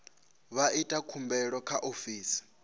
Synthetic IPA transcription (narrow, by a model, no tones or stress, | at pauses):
βaitʼakʰumbɛɺɔkʰaʔofiːsi̥